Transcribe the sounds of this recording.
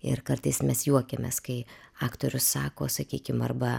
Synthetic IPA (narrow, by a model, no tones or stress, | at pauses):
ɪ̰rkɐrt̪ɐɪsmʲɛsjuɔkʲemʲḛskɐɪɑːkt̪oːɾʲʊsːɑːko̰ːsɐkʲiːkʲɪmɐ̰rbɐ